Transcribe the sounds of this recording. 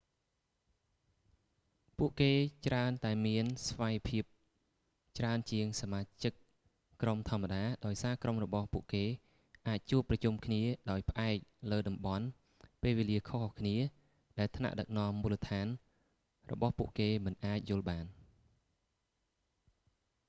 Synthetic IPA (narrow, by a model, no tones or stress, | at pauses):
puəʔkeːt͡ɕraənt̪aɛmiənsʋajpʰiəp̚ | t͡ɕraənt͡ɕiəŋsamaːt͡ɕɨk̚ː | romt̪ʰŏəmːaɗaːɗaɔjsaːkromrɔɓɑhpuəʔkeː | ʔaːc̚t͡ɕuəpːrɑt͡ɕumkʰniəɗaɔjpʰə̆ʔaɛk̚ləːɗɑmɓɑn | peːlʋeːliəkʰohkʰniə | ɗaɛlt̪ʰna̰ʔɗək̚nɔ̆əmːuːlət̪ʰaːn | rɔ̰ɓɑhpuəʔkeːmɨnʔaːc̚jʊ̆əlɓaːn